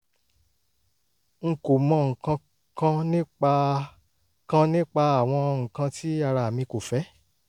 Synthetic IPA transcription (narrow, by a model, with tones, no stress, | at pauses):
ŋ̩˨ko˨mɔ̃˧ŋ̩˨kã˧ | kã˦nĩ˦k͡pa˧ | kã˦nĩ˦k͡pa˧a˨w̃ɔ̃˧ŋ̩˨kã˧tʰi˦a˦˧ɾa˧˨a˨mĩ˧ko˨fɛ˨˦